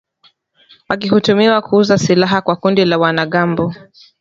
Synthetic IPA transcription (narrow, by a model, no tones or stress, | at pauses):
wak̬ihutumiwakuuzasilaɦakwakundilawanaɠambɔ